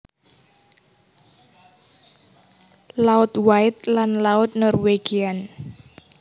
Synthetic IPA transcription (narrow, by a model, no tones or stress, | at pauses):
laʊt̪waɪt̪̚lanlaʊt̪̚nɔrweɡ̥ian